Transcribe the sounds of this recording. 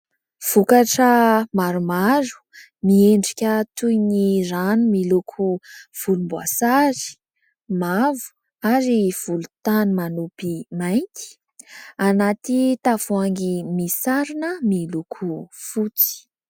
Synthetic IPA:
v̥ukaʈ͡ʂəmaɾumaɾu̥ | mieɳɖ͡ʐikʲət̪ujniranumilukʰuv̥ulumbwa̰sazi̥ | mavu̥ | aɾiv̥ulut̪animanupimajnt̪i̥ | anat̪it̪afuaŋɡimisaɾinəmilukʰufut͡si̥

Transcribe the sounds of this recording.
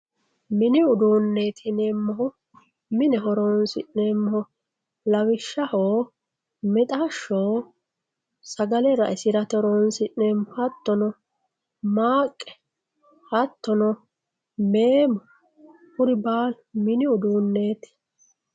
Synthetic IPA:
mɪnɪʊd̪uːnːeːt̪ʰɪnɛmːɐʊ | mɪnɛɦɔɾoːnsɪ̰nɛmːɔ | lɐwɪʃːɐhoː | mɛt̪ʼaʃːoː | sɐɡɐlɛɾɐʔɛsɪɾɐt̪ɔɾoːnsɪnɛmɔhɐt̪ːɔnɔ | maːkʼːɛ̥ | hɐt̪ːɔnɔ | meːmɔ | hʊɾɪbaːl | mɪnɪʊd̪uːnːeːt̪ɪ̥

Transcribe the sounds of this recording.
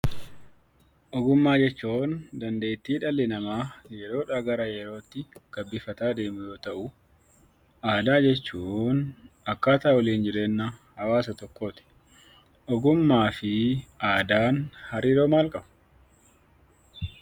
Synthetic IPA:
ʔɔɡʊmːaːd͡ʒɛt͡ʃːuːnd̪ɐnd̪e̞ːt̪ːiːᶑɐlːɪnɐmaːjɛɾo̞ːᶑaɡɐɾɐjɛɾo̞ːt̪ːɪɡ̥ɐbːɪfɐt̪aːd̪e̞ːmʊjo̞ːt̪ɐʔʊ | ʔaːd̪aːd͡ʒɛt͡ʃːuːnɐkːaːt̪aːɔliːnd͡ʒɪɾe̞ːnːɐhɐwaːsɐt̪ɔkːo̞ːt̪ɪ̥ | ʔɔɡʊmːaːfɪaːd̪aːnhɐɾiːɾo̞ːmaːlkʼɐbɐ̥

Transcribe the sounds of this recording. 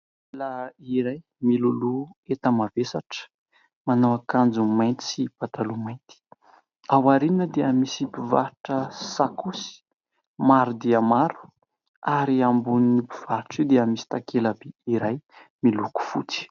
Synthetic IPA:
laiɾaj | miluluet̪əmavesaʈ͡ʂə̥ | manawakand͡zumajnt̪i̥sib̥at̪alumajnt̪i̥ | awaɾininəd̪eamisibivaɾʈ͡ʂəsakusi̥ | maɾud̪eamaɾu̥ | aɾiambunibiv̥aɾiʈ͡ʂiwd̪eamisi̥t̪akʰelabiiɾajmiluku̥fut͡si̥

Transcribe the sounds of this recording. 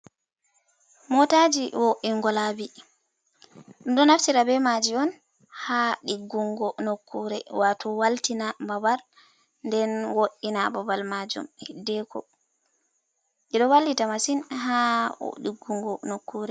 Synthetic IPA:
mɔtad͡ʒiwoʔiŋɡɔlabi | ɗɗɔnaftiɾabɛmad͡ʒiɔn | haɗiɡːuŋɡɔnokʰːuɾɛwatɔwaltinababal | ndɛnwoʔːinababalmad͡ʒṵmhidːɛkʰɔ̰ | ʔɛɗɔwalːitamasinɦa̰ɗiɡːuŋɡɔnokːuɾɛ

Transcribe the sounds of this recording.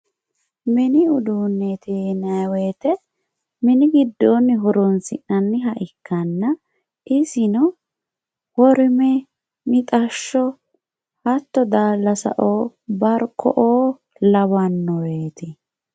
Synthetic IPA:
mɪnɪʊd̪uːnːɛt̪ʰeːnɐweːt̪ɛ | mɪnɪɡɪd̪ːoːnːɪɦɔɾɔnsɪ̰ʔɐnːɪɦɐʔɪkːɐnːɐ | ʔɪsɪnɔ | wɔɾɪmɛ | mɪt̪ʼɐʃːɔ | hɐt̪ːɔd̪aːlːɐsɐ̰ʔoːbɐɾkʰːɔ̰ʔoː | lɐbɐnːɔweːt̪ɪ

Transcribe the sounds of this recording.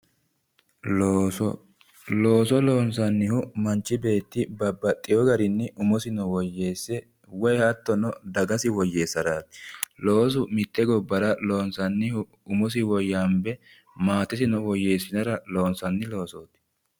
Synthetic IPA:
lo̞ːsɔloːnsɐnːɪhʊmɐnt͡ʃːɪbe̞ːt̪ːɪbɐbːɐt̪ʼːɪjɔɡɐɾɪnːɪʔʊmɔsɪnɔwɔjːeːsːɛ | wɔjhɐt̪ːɔnɔd̪ɐɡɐsɪwɔjːe̞ːsːɐɾaːt̪ːɪ̥lo̞ːs̬ʊmɪt̪ːɛɡɔbːɐɾɐlo̞ːnsɐnːɪhʊ | ʊmɔs̬ɪwɔjːambɛ | maːt̪ːɪsɪnɔwɔje̞ːsːɪnɐɾɐlo̞ːnsɐnːɪlo̞ːsoːt̪ɪ̥

